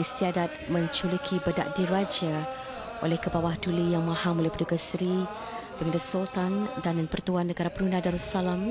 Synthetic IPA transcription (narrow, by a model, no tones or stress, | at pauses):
ist̪iadat̪̚mə̃ɲt͡ʃulikʰibəda̰ʔdiɾad͡ʒa | ʔo̰lɛhkəbawahdulijaŋmãhamolɛhpədukasɾi | dəŋandəsult̪andannpərt̪uanːəɡaɾapəɾunadaɾusalam